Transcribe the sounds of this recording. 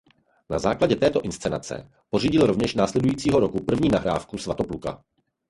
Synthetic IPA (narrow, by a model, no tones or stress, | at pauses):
na̰zaːklaɟɛt̪ɛːt̪o̞ʔɪnst͡sɛnat͡sɛ̰ | po̞riɟɪlɾo̞vɲɛʃnaːslɛdujiːt͡siːɦo̞ɾo̞kupr̩vɲiːnaɦɾa̰ːfkusvat̪o̞pluka̰